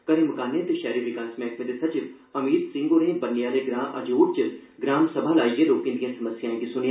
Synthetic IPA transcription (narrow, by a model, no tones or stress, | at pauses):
kɐɾĩməkaːnːẽt̪eʃɛːɾiʋɪkaːsmẽɐk̚med̪esɐt͡ʃɪʋ | ɐmiːd̪sɪ̃ŋɡoɾẽːbɐnːijaːleɡɾãːʔɐ̰d͡ʒoːʈ̚t͡ʃɪɡɾaːmsɐbʱalaːieloːkĩnd̪ijãsɐməsjaːẽkisʊnj